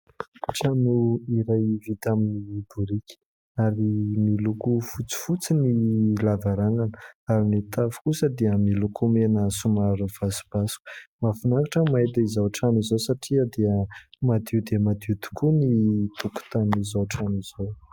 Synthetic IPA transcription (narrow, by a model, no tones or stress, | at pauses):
ʈ͡ʂanuiɾajvit̪aminib̥uɾikʲi̥ | aɾimilukufut͡si̥fut͡sinilavaɾananəaɾinit̪afu̥kusəd̪iəmilukumenəsumaɾuv̥asi̥b̥asu̥ku̥mafinakaʈ͡ʂəmaet̪aizawʈ͡ʂanizosaʈ͡ʂiəd̪eəmad̪iud̪eəmad̪iud̪i̥kʰunit̪uku̥t̪anizawʈ͡ʂaniz̥o